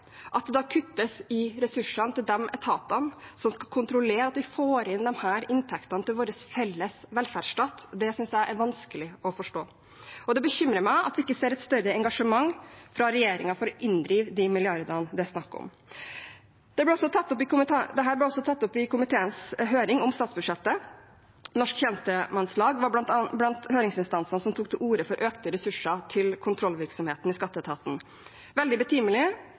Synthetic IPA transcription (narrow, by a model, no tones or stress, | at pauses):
ʔɑt̪̚d̪ɛd̪ɑːkʰʉt̪ːəsɪɾɛsʉʂənt̪ɪld̪ɛmʔɛ̰t̪ʰɑːt̪ɑnsɔmskɑkʰʊnt̪ɾʊleːɾɑt̪ʋɪfoːɾɪnd̪ɛmhæːɾɪnt̪ʰɛkt̪ɑnt̪ɪlʋoːɾəsfɛlːəsʋɛlfæɖʂʈɑːt̪ːd̪ɛsʏnsjæɪʔæɾʋɑnskəlɪɔfɔʂʈoː | ɔd̪ɛbəçʏmɾəmæɪʔɑt̪ʋɪɪkːəseːɾɛt̪st̪œɾəɛŋɡɑʂəmɑŋfɾɑɾɛjeːɾɪŋɑfɔɾɔʔɪnd̪ɾiːʋd̪ɪmɪlɪɑɾd̪əɾnd̪ɛsnɑkːɔ̰m | d̪̥ɛblɛɔsːɔt̪ʰɑt̪ːɔpːɪkʊmɪd̪ɛɦæːɾblɛɔsːɔt̪ʰɑt̪ːɔpɪkʰʊmɪt̪ʰeːənsɦøːɾɪŋɔmst̪ɑːt̪sbʉd̪ʂɛt̪ːə | nɔʂkçɛnst̪əmɑnslɑːɡʋɑblɑnt̪høːɾɪŋsɪnst̪ɑnsənsɔmt̪ʰuːk̚t̪ʰɪlʔuːɾəfɔɾʔøːkt̪əɾɛsʉʂɑt̪ʰɪlkʰʊnt̪ʰɾɔlʋɪɾksɔmheːt̪n̩ɪskɑt̪ːət̪ʰɑːt̪n̩ | ʋɛld̪ɪbət̪ʰyːməlɪ